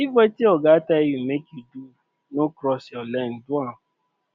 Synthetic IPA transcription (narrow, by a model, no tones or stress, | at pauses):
ibɛtiɔɡatajumekjudu | nõkɾɔsɔlɛn̩duã